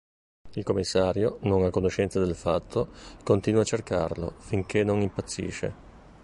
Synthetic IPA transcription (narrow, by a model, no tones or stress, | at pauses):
ilkomːisːaːɾjonoŋakːonoʃɛnt̪sad̪elfat̪ʰːokont̪inwat͡ʃːerka̰rlo̰fiŋkʰenoŋimpat̪sːḭːʃḛ